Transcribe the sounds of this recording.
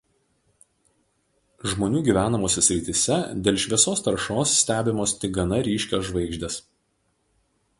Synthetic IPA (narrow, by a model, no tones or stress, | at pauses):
ʒmoːnʲuːɡʲiːʋʲæːnɐmoːsʲɛsʲɾʲɪt̪ʲisʲɛd̪ʲeːlʲʃʲʋʲiɛsoːst̪ɐɾʃoːsːʲt̪ʲæːbʲɪmoːst̪ʲɪk̚ɡɐnɐɾʲiːʃʲkʲoːsʒʋɐɪɡʒʲd̪ʲes